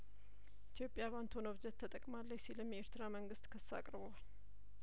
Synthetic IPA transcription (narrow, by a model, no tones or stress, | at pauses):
ʔit̪ʰijo̞pʼːjaβant̪ʰonəβd͡ʒət̪ʰːət̪ʼəkʼmalːəjsilɨmjeɾt̪ɨɾaməŋɡɨst̪kʰəsːa̰kʼɾɨβəwal